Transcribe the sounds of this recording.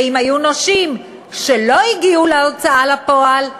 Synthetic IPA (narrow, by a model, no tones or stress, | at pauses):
imajunoʃim | ʃe̞lo̞iɡiuleot͡saʔalapo̞al